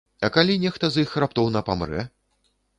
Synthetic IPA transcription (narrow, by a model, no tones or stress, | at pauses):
ɐkalʲinʲɛxt̪ɐzixrapt̪ɔwnɐpamɾɛ̰